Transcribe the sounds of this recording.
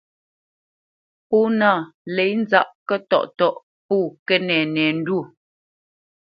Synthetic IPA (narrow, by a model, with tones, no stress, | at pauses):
pɔː˦na˦˨lɛ˨˦jn˦za̰˦ʔkə˦tɔ̰˦˨ʔtɔ˦˨ʔ | puː˦˨kɛ˦nɛ˨nɛː˨n̩˦du˦˨